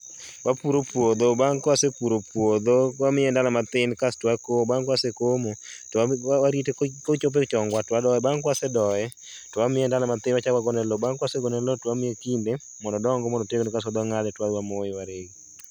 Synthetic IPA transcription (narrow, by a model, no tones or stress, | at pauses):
wapuɾopwod̪obaŋkwasepuɾopwod̪owamɪjɛndalamat̪ɪnkastwakobaŋkwasekomo | tɔwaɾitekot͡ʃop̬et͡ʃɔŋɡwatwadɔɛbaŋkwasɛdɔɛ | tɔwamɪɛndalamat̪ɪnwat͡ʃawaɡɔnɛlɔbaŋkwaseɡɔnɛlɔtamɪjekinde | mɔndɔdɔŋɡɔmɔndɔteɡonikasad̪ɔŋalɛtwadwamojɪwaɾeɡi